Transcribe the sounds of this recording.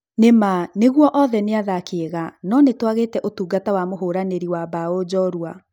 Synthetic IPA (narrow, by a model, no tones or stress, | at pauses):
nemaneɣwɔʔɔðɛneaðakeːɣanɔnetwaɣetɛʔotuːɡatawamoɦoːɾaneɾiwabaod͡ʑɔɾua